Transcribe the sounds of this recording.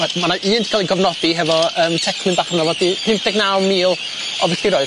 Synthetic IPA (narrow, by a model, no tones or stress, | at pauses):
ɛmanaʔiːntʰi̥kʰalˠiɡɔvnɔd̥iɦɛvɔəːmtʰɛkʰlˠɨnbaːχnavɔdipʰɨnd̥ɛɡnalˠmiːlˠ | ɔvɛɬiɾɔɨ